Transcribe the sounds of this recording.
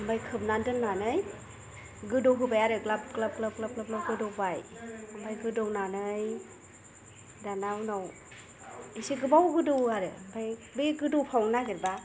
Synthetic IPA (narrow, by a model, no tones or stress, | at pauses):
ɯmbajkʰɯb̚nandɯnnanɯj | ɡɯdɔɡɯbajaɾɯklab̚klab̚klap̚klap̚klap̚klap̚ɡɯdɔbajɯmbajɡɯdɔwnanɯj | danawnaw | isiɡɯbawɡɯdowaɾɯbʰajbeɡɯdowpʰawŋnaɡiɾba